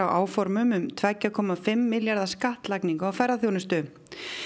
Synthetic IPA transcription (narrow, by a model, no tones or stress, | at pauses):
awʔaːwfɔɾmʏmʏmt̪ʰvɛcːakʰɔːmafɪmːɪljaɾðḁskaht̪lakniŋkaawfɛrːaθjownɪst̪ʏ